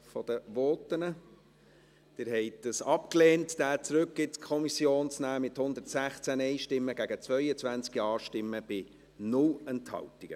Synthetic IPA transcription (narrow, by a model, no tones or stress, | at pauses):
fɔd̥̪əʋɔːtənə | d̪̥ɪɾɦɛɪtd̥əsɑpkleːntd̥æːt͡sɾɵk̚ɡ̥ɪtskʰɔmisjoːnt͡snæːmɪthʊnd̪ətsæχt͡sænɛɪʃtɪmːəɡ̥æɡət͡svœʏət͡svænt͡skiɑːʃtɪmːəb̥ɪ | nʊlɛnthɑ̰ltiɡ̥ə